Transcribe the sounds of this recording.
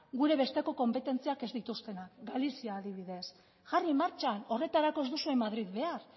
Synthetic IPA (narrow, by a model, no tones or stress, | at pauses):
ɡuɾe̞βe̞st̪e̞ko̞ko̞mpe̞t̪e̞nt͡siake̞zd̪it̪ust̪e̞nakɡalisiaːðiβ̞iðe̞s | ʝarimaɾt͡ʃano̞re̞t̪aɾako̞ezd̪usuemːaðɾiðβe̞ar